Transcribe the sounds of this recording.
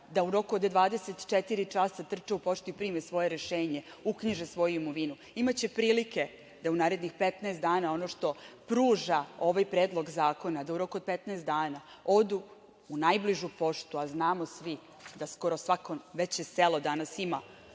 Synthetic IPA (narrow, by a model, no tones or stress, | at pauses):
d̪auɾo̞kuod̪d̪ʋaːd̪e̞set̪t͡ʃet̪iɾit͡ʂasat̪r̩t͡ʂeupo̞ʂt̪uipɾimesʋo̞je̞ɾeʃeːɲe̞ | ukɲiʒesʋo̞juimoʋinu | imat͡ɕe̞pɾiːlike | d̪aunaːɾe̞d̪nixpet̪naest̪aːnao̞noʃt̪o̞pɾuːʒao̞ʋajpɾeːd̪lˠo̞ɡzaːko̞nad̪auɾo̞kuod̪̚pet̪naest̪d̪aːna | o̞d̪u | unajbliʒupo̞ʂt̪uaznaːmo̞sʋi | d̪asko̞ɾosʋakoʋe̞t͡ɕeselo̞d̪anasima